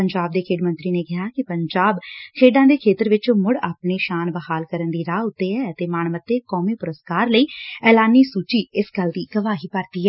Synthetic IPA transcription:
pəɲd͡ʒaːb̚d̪eːkʰeːɖmənt̪ɾiːneːkɪɦaːkɪpəɲd͡ʒaːbkʰeːɖãːd̪eːkʰeːt̪əɾʋɪt͡ʃːmʊɽaːpɳiːʃaːnbəhaːlkəɾənd̪iːɾaːʊt̪ːeːɛːt̪eːmaːɳmət̪ːeːkɔːmiːpʊɾəskaːɾləiːɛːlaːniːsuːt͡ʃiːɪsɡəld̪iːɡəʋaːɦiːpəɾt̪iːɦɛː

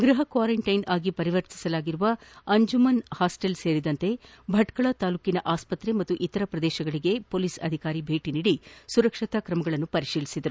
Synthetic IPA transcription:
ɡɾuɦɐkʋaːɾɐɳʈɐjnʔaːɡipɐɾiʋɐɾt̪i̥sɐlaːɡiɾuʋɐɐɲd͡ʒumɐnhaːsʈelse̞ːɾid̪ɐnt̪e̞ | bʱɐʈkɐɭɐt̪aːluːkinɐʔaːspɐt̪ɾe̞mɐt̪ːuʔit̪ːɐɾɐpɾɐd̪ɛːʃɐɡɐɭiɡe̞po̞ːliːsɐ̰d̪ʱikaːɾibʱe̞ːʈiniːɽisuɾɐkʂit̪ɐkɾɐmɐɡɐɭɐnːupɐɾiʂiːlisid̪ɐɾu

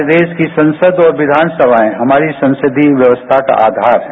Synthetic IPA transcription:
d̪eːʃkisɐ̃nsəd̪ɔːɾʋɪd̪ʱaːnsəbʱaːẽɦɐmaːɾisɐ̃nsɪd̪ʱiʋjɐʋəst̪ʰaka̰ʔaːd̪ʱaːɾɦɛ̃

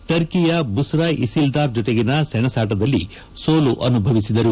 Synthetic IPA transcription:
ʈɐɾkijɐbusɾɐʔisild̪aːɾd͡ʒɔt̪eɡinɐsɛɳɐsaːʈ̬ɐd̪ɐlːḭ | soːluʔɐnubʱɐʋisid̪ɐɾu

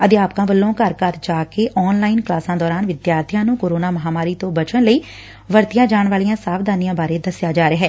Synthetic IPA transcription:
əd̪eːaːpkãːbəlːõːkəɾkəɾd͡ʒaːkeːʔɔːnlaːɪnklaːsãːd̪ɔːɾaːnʋɪd̪jaːɾt̪ʰɪjãːnũːkoːɾoːnaːməɦaːmaːɾiːt̪õːbət͡ʃəɳləiː | ʋəɾt̪ɪjãːd͡ʒaːɳʋaːlijãːsaːʋd̪aːnijãːbaːɾeːd̪əsɪjaːd͡ʒaːɾeːɦɛː

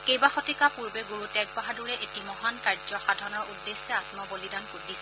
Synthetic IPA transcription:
kejbaxotikapuɹbɛɡoɹutɛɡ̚baɦaduɹɛʔetimɔɦankaɹd͡ʒɔxadʱaɹnɔɹudːesːɛatmɔbolidankudisɛ

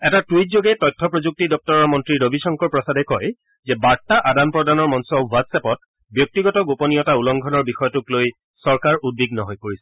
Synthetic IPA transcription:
ɛtatijtzoɡɛtɔjtʰːɔpɹozuk̚tidɔp̚tɔɹɔɹmɔntɹiɹobisɔŋkɔɹpɹɔsadɛkɔj | zɛbaɹtaʔadanpɹɔdanɔɹmɔnsɔbwatsɛpɔt̚ | bjɔk̚tiɡɔtɔɡopɔnijɔtaulɔŋɡʱɔnɔɹbixɔjɔtʊkloj | sɔɹkaɹʔud̚biɡnɔɦɔjpoɹisɛ̥

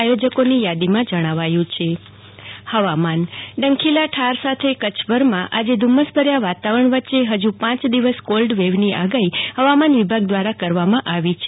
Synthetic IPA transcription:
jod͡ʒəkonijad̪imãd͡ʒəɽ̃aʋajũt͡ʃʰe | həʋamanɖə̃ŋkʰilaʈʰaɾsat̪ʰekət͡ʃbəɾmãʔad͡ʒed̪ʱuməsbʱəɾjaʋat̪aʋəɾəɳ̃ʋətːʃeɦəd͡ʒupãt͡ʃd̪iʋəskolɖʋeʋniʔaɡaihəʋamanʋibʱaɡ̚d̪ʋaɾakəɾʋamãʔaʋit͡ʃʰe

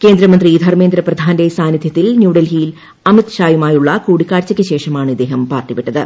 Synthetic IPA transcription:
keːnd̪ɾɐmɐnd̪riːd̪ʱɐrmend̪ɾɐprɐd̪ʱaːndesaːnid̪ʱjɐt̪ːilnjuːɽɐlɦiːl | ɐmit̪ɕaːjumaːjuɭːɐkuːɽikːaːɾt͡ɕːɐkʲːɨɕe̞ːʂɐmaːɳɨid̪ːeːɦɐmpaːrt̪ipiʈːɐðɨ

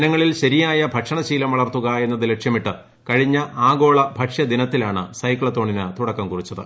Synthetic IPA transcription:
ɐnɐŋːɐɭilɕɐɾijaːjɐbʱɐʈʂɐɳɐɕiːlɐmʋɐɭɐrt̪ːuɣɐe̞nːɐðɨle̞kʂjɐmiʈːɨ | kɐɻiɲːɐʔaːɡo̞ːɭɐbʱɐʈʂjɐd̪inɐt̪ːilaːɳɨsɐjkːɭɐt̪ːo̞ːɳinɨt̪uɽɐkːɐmkurit͡ɕːɐðɨ̰

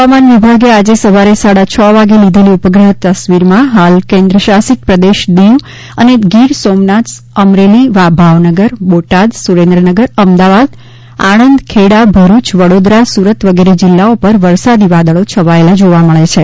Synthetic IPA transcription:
ɦəʋamanʋibʱaɡead͡ʒesəʋaɾesaɽat͡ʃʰɔʋaɡelid̪ʱeliupəɡɾəɦət̪ːəsʋiɾmãɦalkẽnd̪ɾəʃasik̪̚pɾəd̪eʃd̪eʋ | ə̰neɡiɾsomnat̪s | əmɾeliʋabʱaʋnəɡəɾboʈad̪suɾẽnd̪ɾənəɡəɾəmd̪aʋad̪ | a̰ɽ̃ənd̪kʰeɽabʱəɾut͡ʃʋəɽod̪ɾasuɾət̪ʋəɡeɾed͡ʒɪlːaopəɾʋəɾsad̪iʋad̪əɭot͡ʃʰəʋaelad͡ʒoʋaməɭet͡ʃʰe

